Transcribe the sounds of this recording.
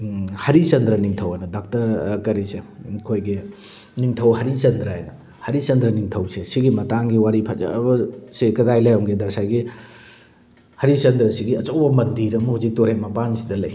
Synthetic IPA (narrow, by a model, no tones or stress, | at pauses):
hɐɾit͡ʃɐnd̪ɾɐniŋtʰɐwanɐdak̚tɐɾkɐɾisekʰojɡi | niŋtʰɐwɦɐɾit͡ʃɐnd̪ɾɐɦajnɐ | hɐɾit͡ʃɐnd̪ɾɐniŋtʰɐwsesiɡimɐtaŋɡiwaɾipʰaza̰ɐbɐsikɐdajlajaŋɡedɐsajɡi | hɐɾit͡ʃɐnd̪ɾɐsiɡiɐt͡ʃɐwbɐmɐndʱiɾɐmɐhuzik̚toɾhemɐpansidɐlɐj